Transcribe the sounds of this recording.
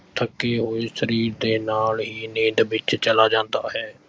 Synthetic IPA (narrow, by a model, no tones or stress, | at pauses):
t̪ʰəkːeːɦoːiːsəɾiːɾd̪eːnaːlɦiːnẽːd̪bɪt͡ʃt͡ʃəlaːd͡ʒãːnd̪aːɦɛː